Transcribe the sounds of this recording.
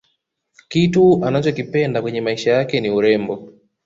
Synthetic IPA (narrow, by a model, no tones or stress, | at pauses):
kituanat͡ʃɔkipɛndakwɛɲɛmaiʃajakɛniuɾɛmbɔ